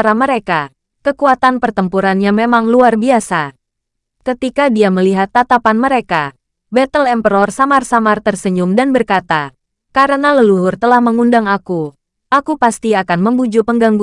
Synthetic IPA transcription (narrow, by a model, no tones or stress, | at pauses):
ɾaməɾeka | kəkuat̪anpərt̪əmpuɾanjaŋmemaŋluarbiasa | kət̪ikadiaməliɦat̪ːat̪apanməɾeka | bɛt̪əlɛmpəɾɔrsamarsamart̪ərsəɲumdanbərkat̪a | kaɾənaləluɦʊrt̪əlahməŋundaŋaku | ʔakupast̪iakanməmbud͡ʒupəŋɡaŋɡu